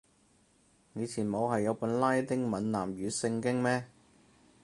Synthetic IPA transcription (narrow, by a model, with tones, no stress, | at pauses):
jiː˨˧t͡sʰiː˨˩nmo˨˧whɐ˨jːɐ˨˧wpuː˨˥nlaː˥jt̪ɪ˥ŋmɐ˨˥nnaː˨˩mjyː˨˧sɪ˧ŋkɪ˥ŋmɛː˥